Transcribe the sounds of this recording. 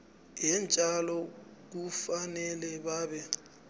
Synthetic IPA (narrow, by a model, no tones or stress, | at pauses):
jɛnt͡ʃʼalɔk̬ufanɛlɛbaːbɛ